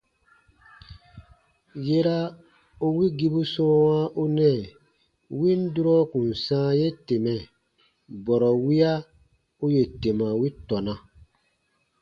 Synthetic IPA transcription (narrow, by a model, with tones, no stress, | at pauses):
je˦ɾa˦ | u˦wi˦ɡi˦bu˦sɔ̃ː˦wa˦ʔu˦nɛ̃˦˨ | wĩ˦n˦du˦ɾɔ˦kũ˨n̩˨sãː˦je˦te˨mɛ̃˨ | bɔ˨ɾɔ˨wi˦a˦ | u˦je˨te˨mã˨wi˦tɔ˨nã˨